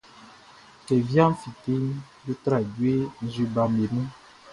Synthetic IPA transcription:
kɛ˨vjã˦m˦fi˨te˦n | jo˦t̪ɾa˨ɟwe˦n̩˨˦zwi˦ba˨mbe˨mũ˦

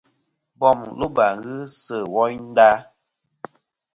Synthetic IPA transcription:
bɔ˦˨mlo˦ba˨ɣɨ˦sə˨wɔ˦ɲn̩˦da˦

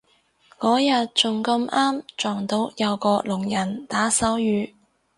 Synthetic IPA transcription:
kɔː˨˥jɐ˨t̚t͡sʊ˨˩ŋkɐ˧maː˥mt͡ʃɔː˨˩ŋt̪o˨˥wjɐ˨˧wkɔː˧lʊ˨˩ŋjɐ˨˩nt̪aː˨˥sɐ˨˥wjyː˨˧

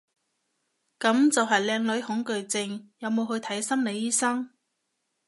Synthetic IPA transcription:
kɐ˨˥mt͡sɐ˨wɦɐ˨jlɛː˧ŋlɵ˨˥ɥhʊ˨˥ŋkɵ˨ɥt͡sɪ˧ŋjɐ˨˧wmo˨˧wɦɵ˧ɥt̪ʰɐ˨˥jsɐ˥mle˨˧jːiː˥sɐ˥ŋ

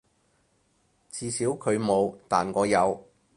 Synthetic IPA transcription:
t͡siː˨˧siː˨˥wkʰɵ˨˧ɥmo˨˧wt̪a̰ː˨nkɔː˨˧jɐ˨˧w

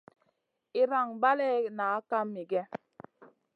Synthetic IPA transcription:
i˨ɾa˨ŋba˦lɛ˦˨naː˨˦ka˦mːi˨ɡɛ˦

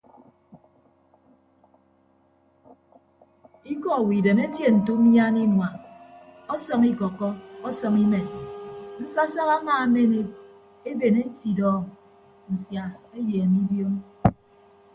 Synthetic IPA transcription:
i˦kɔ˨wi˨de˨me˦tje˨n̩˨tu˦mja˦ni˦nwa˨ | ɔ˦sɔ˦ŋi˦kɔ˨kɔ˦ɔ˦sɔ˨ŋi˦me˨nn̩˦sa˦sa˦ɣa˦maː˨˦me˦ne˦ | e˦be˨ne˦ti˨dɔ˨ | n̩˨sja˨e˦jeː˨mi˦bjo˦m

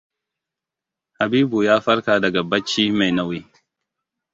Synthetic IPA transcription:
ha˨biː˦bu˨jaː˦ɸɐ˦ɽkaː˨dɐ˨ɡa˨bɐ˦t͡ʃːiː˦ma˨jna˦wi˦

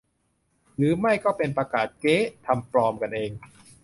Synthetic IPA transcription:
ɾɯː˩˦ma˥˩jkɔː˥˩pe˧npɾaː˧kaː˨˩t̪̚keː˦˥t̪ʰa˧mpɾɔː˧mka˧nʔeː˧ŋ

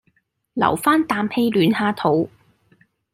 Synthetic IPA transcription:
lɐ̰˨˩wfaː˥nt̪aː˧mhe˧jlyː˨˥nhaː˧t̪ʰo˨˥w

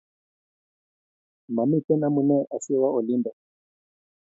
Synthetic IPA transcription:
ma˨mi˦tɛ˦na˦mu˨nɛ˦ʔa˨si˦wa˦ɔ˨li˦mbɛ˨

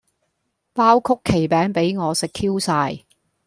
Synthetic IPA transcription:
paː˥wkʰʊ˥kʰːe˨˩jpɛː˨˥ŋpe˨˥jŋɔː˨˧sɪ˨kʰːiː˥wsaː˧j

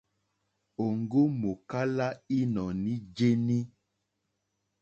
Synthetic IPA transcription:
o˨ŋɡo˦mo˨ka˦la˦i˦nɔ˨nĩ˦d͡ʒe˦ni˦

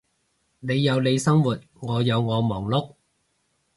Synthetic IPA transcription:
ne˨˧jːɐ˨˧wle˨˧jsɐ˥ŋwuː˨t̚ŋɔː˨˧jɐ˨˧wŋɔː˨˧mɔː˨˩ŋlʊ˥k̚

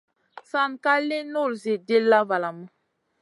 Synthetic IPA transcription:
sa˨nka˦le˦no˦˨lze˨de˦lːa˦va˨la˨mə˦

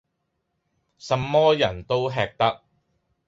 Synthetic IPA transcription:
sɐ˨˧mːɔː˥jɐ˨˩nt̪o˥wɦɛː˧k̚t̪ɐ˥k̚

